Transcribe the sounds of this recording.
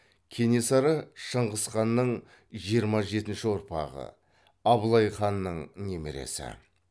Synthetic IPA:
kʲʰe̞nesɑɾəʃəɴʁəsχɑnːəɴ | ʒijəɾmɑʒe̞t̪ɪnʃɪwoɾpɑ̰ʁə̰ | ɑblˠɑjχɑnːəɴne̞meɾḛsɪ̰

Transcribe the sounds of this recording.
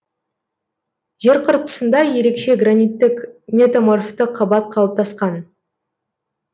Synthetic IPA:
ʒ̥e̞ɾqʰəɾt̪ə̥sənd̪ɑje̞ɾe̞kʃe̞ɡranijt̪ːɪkmʲe̞t̪amorft̪əqʰɑbɑt̪qʰɑlˠəp̚t̪ʰɑsqɑn

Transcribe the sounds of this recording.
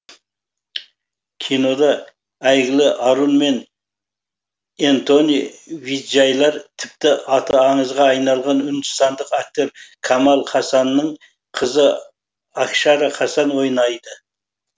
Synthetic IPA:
kʲʰino̞d̪ɑ | æjɡʲɪlɪʔɑɾunme̞n | ent̪o̞niviʒɑjlˠɑɾt̪ʰɪp̚t̪ɪɑt̪ʰəːɴəzʁɑːjnɑlˠʁɑnʏnd̪ɪst̪ɑnd̪əqæk̚t̪e̞ɾkʰɑmɑlˠχʰɑsɑnːəɴ | qʰəzə | ɑkʃɑɾɑqʰɑsɑnwo̞jnɑjd̪ə

